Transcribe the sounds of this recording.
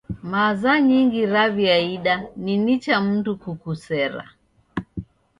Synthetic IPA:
mazaɲiŋɡiɾaviaiɗaninit͡ʃam̩dukukusɛɾa̰

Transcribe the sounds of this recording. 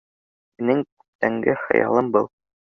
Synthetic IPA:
minɘŋkʉ̥p̚t̪æŋɡɘχɤ̰̆jɑ̰lˠɤmbɤlˠ

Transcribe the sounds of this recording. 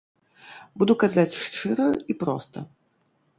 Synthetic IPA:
bud̪ukazat͡sʲʂt͡ʂɨɾəipɾɔ̰st̪ɐ̰

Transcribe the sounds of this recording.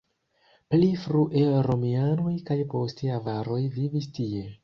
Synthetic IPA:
plifɾuʔeɾomianojkajpo̞stiavaɾo̞jvivistie̞

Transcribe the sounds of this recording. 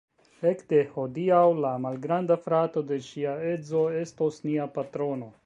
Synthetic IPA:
ekd̪e̞hod̪iawlamalɡɾand̪afɾat̪o̞d̪e̞ʃiaezo̞est̪osniapat̪ɾo̞no̞

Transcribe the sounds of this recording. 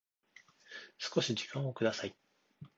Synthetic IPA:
sɨ̥ko̞ɕid͡ʑi̥kãɰ̃okɯd̪asai

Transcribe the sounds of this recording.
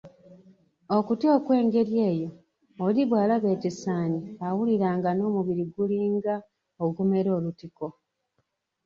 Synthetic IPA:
okutio̞ːkwe̞ːŋɡe̞ɾje̞ːjo̞ | oliβwaːlaβe̞ːtisaːniawuliɾaːŋɡano̞ːmuβiɾiɡuliːŋɡa | oɡume̞ɾo̞ːlutiko̞

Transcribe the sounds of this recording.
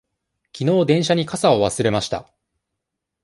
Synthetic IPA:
kʲino̞ːd̪ẽ̞ɰ̃ɕaɲ̟ikasaoβasɨɾe̞maɕi̥t̪a̰

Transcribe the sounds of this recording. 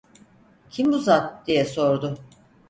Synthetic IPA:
cʰimbuzat̪d̪̥ijɛso̞ɾd̪ʊ

